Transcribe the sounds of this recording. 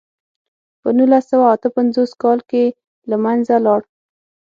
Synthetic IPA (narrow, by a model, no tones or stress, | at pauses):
pənulasawaːt̪əpanzoskɑlke | lamanzalɑɽ